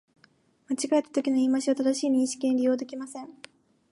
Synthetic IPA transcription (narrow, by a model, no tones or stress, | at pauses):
mat͡ɕiɡaet̪ːat̪o̞kʲino̞iːmaɕiβat̪ad̪aɕiːɲ̟ʲĩɰ̃ɕi̥kʲĩɲɾʲijo̞ːd̪e̞kʲimasẽ̞ŋ